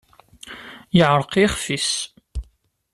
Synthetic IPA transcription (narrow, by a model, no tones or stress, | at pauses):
jɪʕəɾˤqiχfis